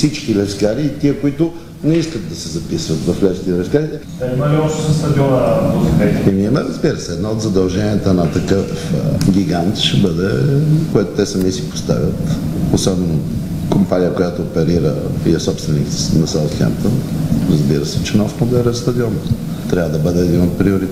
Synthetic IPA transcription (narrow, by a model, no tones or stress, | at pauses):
sit͡ʃkilɛskaɾiːt̪iəkʊit̪ʊ | nɛiskət̪̚d̪ɐsɛzɐpisvɐt̪vɐflɛʃk̪ʲiɛlɛskaɾiɛ | aimɐliɔʃt̪sɐst̪ɐd̪iɔnəaot̪ɛimiɛmɛɾɐzbiɾəsɛːd̪naot̪zɐd̪ɐlˠʒɛniət̪ənɐt̪ɐkəfɡʲiɡant̪ʃɛbəd̪ɛkojɛt̪ʊ̥t̪ɛsɐmisi̥po̥st̪a̰vʲjət̪osɔbɛno | kompanʲijəkojat̪ʊːpɛɾiɾə̰iɛsɔpst̪vɛnḭk̪nɐsalˠsxʲɛ̰mpt̪ənɾɐzbiɾəsɛt͡ʃɛnɔft̪mod̪ɛɾɛfst̪ɐd̪iɔn | t̪ɾʲavəd̪ɐbəd̪ɛːd̪inot̪̚pɾiʊɾit̪